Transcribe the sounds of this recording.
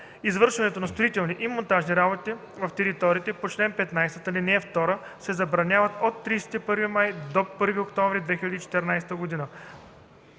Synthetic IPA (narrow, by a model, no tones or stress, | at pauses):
izvɤɾʃɛnɛt̪onɐst̪oit̪ɛlˠniʔimont̪aʒniɾabot̪i | vɐft̪ɛɾit̪ɔɾiːt̪ɛpot͡ʃlɛnpɛt̪najst̪ət̪əlinɛɛft̪ɔɾəsɛzɐbɾɐnʲavət̪ot̪ːɾijsɛ̥t̪ipɤɾvimajd̪opɤɾviokt̪ɔnvɾid̪vɛxilʲɐd̪iːt͡ʃɛ̥t̪ɛɾnajst̪əɡod̪inə